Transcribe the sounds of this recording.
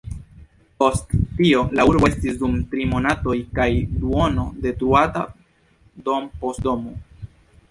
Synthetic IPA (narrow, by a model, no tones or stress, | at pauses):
po̞stːio̞lauɾboe̞stisdumtɾimo̞nato̞jkajduono̞de̞tuata | do̞mpo̞stdomo